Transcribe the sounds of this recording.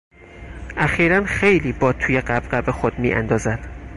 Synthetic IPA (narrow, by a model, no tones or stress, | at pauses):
ʔæxiːɾænxe̞jliːbɒːt̪ʰuːjeɢæbɢæbexod̪̥mḭːʔæ̰nd̪ɒːzæd̪̥